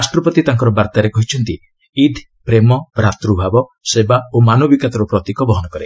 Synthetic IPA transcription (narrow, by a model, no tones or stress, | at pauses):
sʈɾɔpɔt̪it̪aŋkɔɾɔbaɾt̪aɾekɔɦit͡ʃʰɔnt̪i | id̪ʱ | pɾemɔbɾat̪ɾubʱabɔsebaomanɔbikat̪ɔɾupɾɔt̪ikɔbɔɦɔnɔkɔɾe